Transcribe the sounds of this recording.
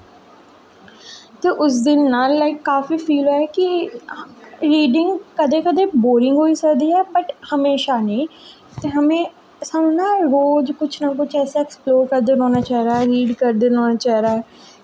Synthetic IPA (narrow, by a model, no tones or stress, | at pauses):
t̪eːʔʊs̬d̪ɪnːaːlːaɪkːaːfiːpʰiːloːɛkɪ | ɾiːɖɪŋɡkəd̪eːkəd̪eːboːɾɪ̃ŋɡɦoːiːsəkd̪iːɛːbəʈhəmeːʃaːnĩː | t̪eːɦəmẽː | səmnaːɾoːd͡ʒkʊt͡ʃʰnaːkʊt͡ʃʰɛːseːɛksploːɾkəɾd̪enɔ̃ːnaːt͡ʃaːɦiɾaːɾiːɖkəɾd̪eːnɔːnaːt͡ʃaːiɾaː